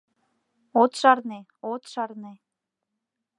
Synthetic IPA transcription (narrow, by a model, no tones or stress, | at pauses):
ot̪ʃɑɾne | ot̪ʃɑrne